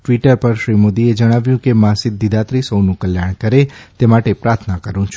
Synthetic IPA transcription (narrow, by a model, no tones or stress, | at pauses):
ʈʋiʈəɾpəɾʃɾimod̪ied͡ʒəɽ̃aʋjũkemãsɪd̪ʱːid̪at̪ɾisəwnũkəljaɽ̃kəɾet̪emaʈepɾaɾt̪ʰnakəɾũt͡ʃʰu